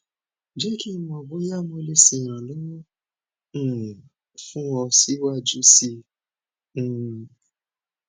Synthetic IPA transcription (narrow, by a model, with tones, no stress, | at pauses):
d͡ʒɛ˦ki˦mɔ̃˨˧ɔ˨bo˨˦ja˦˨mõ˧le˧si˧˨j̃ã˨lo˦wɔ̃˦˨ | fũ˦ɔ˧si˦wa˦˨d͡ʒu˦sĩ˧˦˨